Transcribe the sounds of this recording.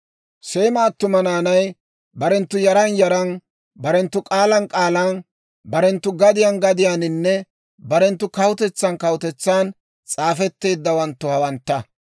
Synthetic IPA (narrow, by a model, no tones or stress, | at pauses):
se̞ːmaːt̪ːʊmɐnaːnɐj | bɐɾɛnt̪ːʊjɐɾɐnjɐɾɐn | bɐɾɛnt̪ːʊkʼaːlɐnkʼaːlɐn | bɐɾɛnt̪ːʊɡɐd̪ɪjanɡɐd̪ɪjaːnɪnːɛ | bɐɾɛnt̪ːʊkɐwʊt̪ɛt͡sːɐnkɐwʊt̪ɛt͡sːaːn | t͡sʼaːfɛt̪ːe̞ːd̪ːɐwɐnt̪ːʊhɐwɐnt̪ːɐ